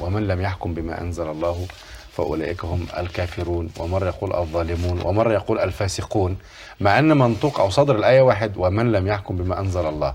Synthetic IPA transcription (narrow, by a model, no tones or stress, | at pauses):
wɪmænlæmjaħkʊmbɪma̰ːʔæ̰nzælɑlˤːɑːhʊ | fæ̰ʔʊ̰laːʔɪkhʊmʔæ̰lkaːfɪɾuːnwa̰mɑrˤːɑjɑquːlʔɑ̰ðˤːɑːlɪmuːnwʔa̰mɑrˤːɑjɑquːlʔælfaːsɪquːn | maʕʔanːæmɑnt̪ˤuːqʔawsˤɑd̪ɾɪlʔæːjæwaːħɪd̪wɪmanlæmjaħkʊmbɪmaːʔænzælɑlˤːɑː